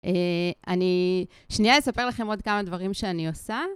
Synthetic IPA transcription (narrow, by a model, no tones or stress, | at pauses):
ʔeani | ʃniale̞sape̞ʁlaχe̞mo̞d̪kamad̪vaʁimʃeaniosa